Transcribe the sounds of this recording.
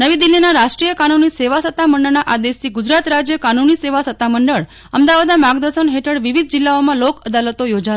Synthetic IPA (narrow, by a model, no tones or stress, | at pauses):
nəʋid̪ilːinaɾaʃʈɾijəkanuniseʋasət̪ːaməɳɖəɭnaʔad̪est̪ʰiɡud͡ʒɾat̪ɾad͡ʒjəkanuniseʋasət̪ːaməɳɖəɭ | əmd̪aʋad̪amaɡd̪əsənɦeʈʰəɽʋiʋid̪̚ʱd͡ʒilːaomãlokəd̪alət̪ojod͡ʒa